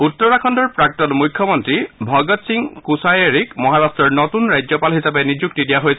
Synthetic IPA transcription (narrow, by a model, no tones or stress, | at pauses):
ut̪ːɔɹakʰɔndɔɹpɹak̚tɔnmujkʰːjɔmɔntɹibʱɔɡɔt̪siŋkusajeɹikmɔɦaɾastɹɔɹnɔtunɹajd͡ʑɔpalɦisapenid͡ʒuk̚tidijaɦojsʰ